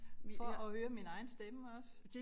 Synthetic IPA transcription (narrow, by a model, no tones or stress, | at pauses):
fɒɒhøːɐminɑ̈ɪn̩sd̥eməɒ̽s